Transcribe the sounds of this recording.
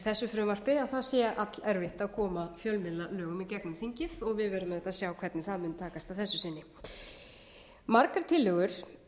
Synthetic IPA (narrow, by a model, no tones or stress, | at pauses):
θɛsːʏfɾʏːmar̥pɪawθasjɛʔat̪lɛɾvɪht̪aðkʰɔːmafjœlmɪlalœːɣʏmɛðcɛknʏmθiɲcɪðɔɣvɪðvɛɾʏmðɛt̪ːaðsjaːwkʰvɛɾt̪nɪθaðmʏnt̪ʰaːkast̪aðθɛsːʏsɪnːɪ | maɾkaɾ̥t̪ʰɪlːœɣʏɾ̥